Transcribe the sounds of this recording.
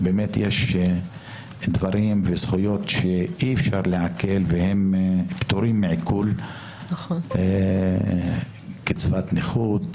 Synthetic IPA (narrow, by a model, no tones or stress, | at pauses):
bemet̪jeʃ | d̪vaɾimvez̥χujo̞t̪ʃeiefʃaʁleʕake̞lvehempt̪uɾimːeʕikʰul | ket͡svat̪niχud̪